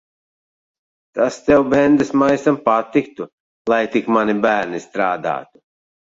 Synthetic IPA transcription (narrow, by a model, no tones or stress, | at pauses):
t̪ast̪ɛwbɛnd̪ɨsmajsampat̪ikt̪u | lˠajt̪ikmanibæːɾnist̪ɾaːd̪a̰ːt̪u̥